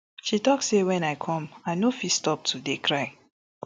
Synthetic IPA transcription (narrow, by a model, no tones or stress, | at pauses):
ʃitɔksewɛ̃najkʰɔ̃maɪnofistɔp̚tʰudekʰɹaɪ